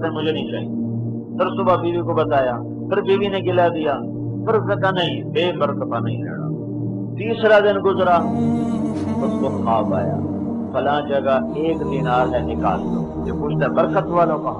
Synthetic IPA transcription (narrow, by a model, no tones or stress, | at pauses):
t̪ẽːmʊd͡ʒʱeːnəĩːt͡ʃa̰ːɦḭ̃ːi | pʰɪɾsʊbaːbiːʋiːkoːbət̪aːjaː | pʰɪɾbiːʋiːnẽːɡɪlaːd̪ɪjaː | pʰɪɾzəkaːnəɦĩːbeːbəɾkət̪aːnəĩːɾɛ̰ːɽa̰ː | t̪iːsɾaːd̪ɪnɡʊzɾaː | ʊskoːaːba̰ːja̰ː | pəlãːd͡ʒəɡaːeːkd̪iːnaːlɦɛːnɪkaːlt̪o̰ːt̪eːpuːt͡ʃʰt̪aːbəɾkət̪ʋaːlõːka